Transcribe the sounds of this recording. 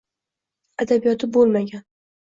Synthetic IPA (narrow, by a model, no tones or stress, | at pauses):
ad̪abijɒt̪ʰɪbolˠmaɡʲan